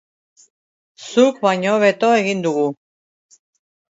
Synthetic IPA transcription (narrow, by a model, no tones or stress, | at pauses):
sukβajɲoβet̪o̞e̞ɣind̪uɣu